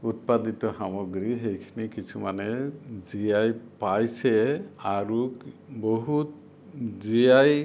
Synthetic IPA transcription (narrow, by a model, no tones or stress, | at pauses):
ut̚paditɔxamɔɡɹiɦejkʰinikisʰumanɛzijajpajsɛaɹuboɦut | zijaj